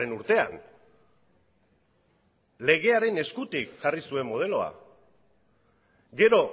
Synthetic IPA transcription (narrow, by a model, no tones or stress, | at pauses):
enuɾt̪e̞a̰n | le̞ɣ̞e̞aɾe̞ne̞skut̪ikʝarisue̞mːo̞ð̞e̞lo̞a̰ | ɡe̞ɾo̞